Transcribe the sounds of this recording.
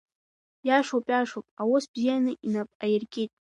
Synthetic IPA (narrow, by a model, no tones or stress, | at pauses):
jaʂopʼaʂopʼawosbzijanɨʔinapʼajerkʼetʼ